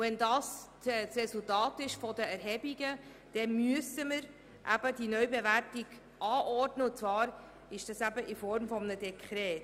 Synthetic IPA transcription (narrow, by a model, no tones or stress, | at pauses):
vɛndɑːs | ɛsrɛsultɑːtɪʃfɔdəæɾɦɛbiɡə | d̥ɛmyəsəməɾ | ʔæ̰b̥ədinœɥbevæɾtiɡ̥ | ʔɑːʔɔrdnəʊt͡svɑːɾ | ɪʃd̥ɑsæbəʔɪfɔɾmfɔmənədɛkʰχɾɛːt